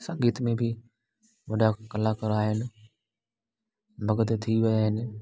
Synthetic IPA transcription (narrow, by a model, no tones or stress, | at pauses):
sãːɡiːt̪mẽbɪ | ʋɐɖakɐlakɐɾaːɦɪnɪ̆ | bɐɡət̪t̪ʰiʋɐaːɦɪnɪ̆